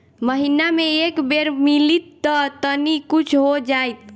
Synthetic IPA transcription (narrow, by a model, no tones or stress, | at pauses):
məɦinameekbeɾmilit̪ːət̪ənikut͡ʃʰɦod͡ʒajt̪̚